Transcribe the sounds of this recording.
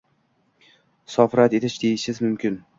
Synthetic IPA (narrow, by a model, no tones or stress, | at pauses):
sɒfɾat̪e̞t̪ʰɪʃd̪e̞jɪʃɪzmʊmkʲɪn